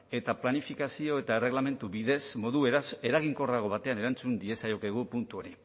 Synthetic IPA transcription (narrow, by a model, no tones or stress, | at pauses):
e̞t̪aplanifikasio̞e̞t̪ae̞re̞ɣlame̞nt̪uβiðe̞smo̞ðue̞ɾase̞ɾaɣ̞iŋko̞raɣ̞o̞βat̪e̞ane̞ɾant͡sund̪ie̞sajo̞keɣ̞upunt̪uo̞ɾi